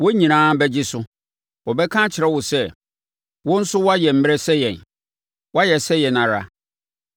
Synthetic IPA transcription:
wɔ˦ɲĩ˨nãː˦bɛ˦d͡ʑɪ˦sʊ˦ | wɔ˨bɛ˦kʰã˦t͡ɕʰɪ˨ɾɛ˦wʊ˨sɛ˦ | wʊ̃˦n̩˦sʊ˦wɔ˦a˦jɛ˨m̩˦mɪ˦ɾɛ˦sɛ˦jɛ̃˨n | wɔ˦a˦jɛ˨sɛ˦jɛ˨nã˨ɾa̰˦

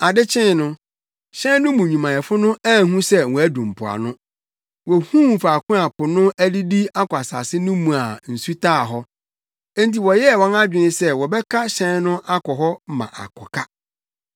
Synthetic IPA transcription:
a˨dɪ˦t͡ɕʰɪ̃˦n˨nʊ̃˦ | ɕɛ̃˦n˦nʊ̃˦mũ˨ɲũ˨mã˨ɛ˨fʊ˦nʊ̃˦æ˦˨hũ˦sɛ˦wɔ̃˨æ˦dũ˨m̩˨pʰʊ˨a̰˨nʊ̃˦ | wɔ˨hũ˦˨fa˨kʰʊ̃˦a˨pʰʊ˨nʊ̃˦ʔæ˦di˦di˦a˦kʊ˨a˨sa̰˨sɪ˦nʊ̃˦mũ˨a˨n̩˨su˦tʰaː˦˨ɦɔ˦ | ɛ˦nt̬i˨wɔ˨jɛ˦˨wɔ̃˦na˦d͡ʑᶣɪ˨nɪ̃˦sɛ˦wɔ˨bɛ˦kʰa˦ɕɛ̃˦n˦nʊ̃˦ʔa˦kɔ˨ɦɔ˦mã̰˨ʔa̰˨kʰɔ˨kʰa˦

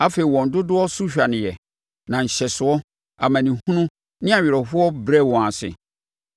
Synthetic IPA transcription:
a˦fe˨i˨wɔ̃˨n̩˨dʊ˦dʊ˦ɔ˦sʊ˦ɕᶣa˨nɪ̃˨jɛ˨ | nã˨n̩˨ɕɛ˨sʊ˨ɔ˦ | a˨mã˨nĩ˨hũ˦nʊ̃˦ | nɪ̃˦a˨ɥɪ˨ɾɔ˨fʊ˦ɔ˦bɾɛ˦˨wɔ̃˨a˨sɪ̰˨

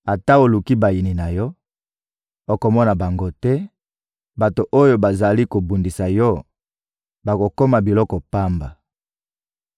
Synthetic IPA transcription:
a˨ta˦o˨lu˨ki˦ba˨ji˨ni˨na˨jɔ˦ | o˨ko˨mɔ˦na˨ba˨ŋɡo˦tɛ˦ | ba˨to˨ʔo˦jo˦ba˨za˨li˦ko˨bu˨ndi˨sa˨jɔ˦ | ba˨ko˨ko˦ma˨bi˨lɔ˦kɔ˨pa˦mba˨

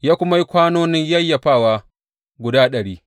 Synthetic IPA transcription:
jaː˦kʷʊ˦ma˦ji˦kʷaː˦noː˦nɪ˦ɲjɐ˦jːɐ˨ɸaː˦˨waː˦ | ɡʷʊ˨daː˦ɗɐ˨ɽiː˦

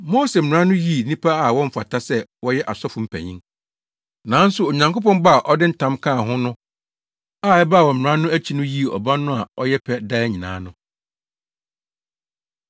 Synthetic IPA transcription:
mo˦se˨m̩˨ɾã˦nʊ̃˦ji˦˨nĩ˦pʰa˦a˨wɔ̃˦m̩˦fa̰˨tʰa˦sɛ˦wɔ˦jɛ˦ʔa˨sɔ˦fʊ̃˨m̩˨pʰæ̰˨ɲĩ˦ŋ | nã˨˦n̩˦sʊ˨o˨ɲã˨ŋko˦pɔ̃˦mba˦a˨ʔɔ˦dɪ˦n̩˦tʰã˦mkʰã˦˨ɦʊ̃˦nʊ̃˦ | a˦˨ɛ˦ba˦˨wɔ˨m̩˨ã˦nʊ̃˦æ˦t͡ɕʰi˦nʊ̃˦ji˦˨ɔ̰˨bã˦nʊ̃˦a˨ɔ˦jɛ˦pʰɛ˦da˦ɲĩ˨nã̰ː˨˦nʊ̃˦

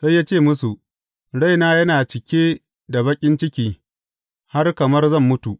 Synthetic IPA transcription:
sa˦jːaː˦t͡ʃeː˦˨mʊ˦su˨ʔ | ɽa˦˨jnaː˦jɐ˦naː˨t͡ʃɪ˨kʲeː˦ | da˨bɐ˦kʲʼɪ˦nt͡ʃɪ˦kʲiː˦ | ha˦rkɐ˨mɐ˦rzɐ˦˨mːʊ˦tu˨ʔ

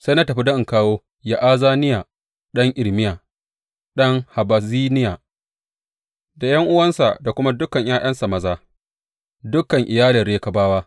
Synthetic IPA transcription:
sa˦jna˦tɐ˨ɸi˦dɐ˦ʔɪ˨ŋkaː˦woː˦ | ja˨ʔaː˦zaː˦nɪ˦jaː˨ | ɗɐ˦ŋʔɪ˨lmɪ˦jaː˨ | ɗɐ˦ŋha˨ba˨ziː˦nɪ˦jaː˨ | da˨jɐ˦ŋʔʊ˦wɐ˦nsa̰˨da˨kʷʊ˦ma˦dʊ˦kɐ˨ɲjʔaː˦j̰ʔɐ˦nsa˨mɐ˨zaː˦ | dʊ˦kɐ˨ŋʔɪ˨jaː˦lɪ˨rɽeː˦kɐ˨baː˦waː˦

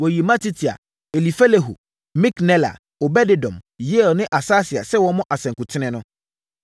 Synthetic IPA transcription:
wɔ˨ji˨mã˦tʰi˦tʰi˨a̰˨ | e˨li˨fɛ˦le˨ɦṵ˨ | mĩ˦knɛ˦la̰˨ | o˨bɛ˦dɪ˨dɔ̰̃˨mje˦˨lnɪ̃˦ʔa˨saː˦sɪ˨a̰˨sɛ˦wɔ˦mɔ̃˦ʔa˨sɛ̃˨ŋkʊ˨tʰɪ˦nɪ̃˦nʊ̃˦

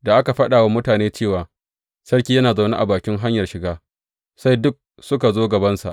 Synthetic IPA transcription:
da˨ʔa˦ka˨ɸɐ˦ɗaː˨wa˦mʊ˦taː˨neː˦t͡ʃeː˦˨waː˨ | sɐ˦ɽkʲiː˦jɐ˦naː˨za˨wna˦ʔa̰˨baː˨kʲɪ˦ŋɦa˦ɲjɐ˨rʃɪ˨ɡaː˦ | sa˦jdʊ˦k̚ | sʊ˦ka˨zoː˦ɡɐ˨bɐ˦nsa̰˨ʔ

